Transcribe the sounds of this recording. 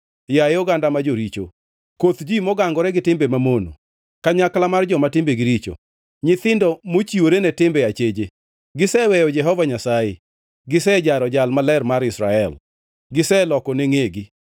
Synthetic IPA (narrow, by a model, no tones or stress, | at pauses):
jaeɔɡandamad͡ʒoɾit͡ʃo̰ | kot̪d͡ʒimɔɡaŋɡɔɾɛɡɪtɪmbemamono̰ | kaɲaklamard͡ʒɔmatɪmbeɡɪɾit͡ʃo̰ | ɲɪt̪ɪndɔmot͡ʃiwoɾenɛtɪmbɛat͡ʃed͡ʒe | ɡɪsɛwɛjɔd͡ʒɛɦɔvaɲasaje | ɡɪsɛd͡ʒaɾɔd͡ʒalmalɛrmaɾɪsɾaɛl | ɡɪsɛlɔkɔneŋeɡɪ